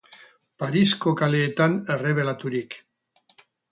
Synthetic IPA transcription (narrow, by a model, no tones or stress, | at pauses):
paɾiskokale̞ːt̪ane̞re̞β̞e̞lat̪uɾik